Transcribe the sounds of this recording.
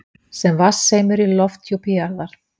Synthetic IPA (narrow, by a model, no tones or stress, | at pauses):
sɛmvasːejmʏɾilɔft̪ʰjupiaɾðaɾ̥